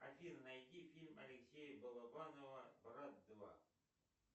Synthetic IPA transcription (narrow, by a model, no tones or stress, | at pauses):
ɐfʲiɾnɐjt̪ʲifʲilʲmɐ̰lʲɪksʲejəbəlˠɐbanovəbrat̪̚d̪va̰